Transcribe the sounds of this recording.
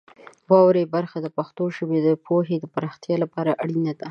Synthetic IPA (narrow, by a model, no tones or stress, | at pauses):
wɑwɾebaɾxad̪əpaxt̪oʃəbed̪əpʰoɦed̪əpaɾɑxt̪jɑlapɑɾaʔaɽinad̪a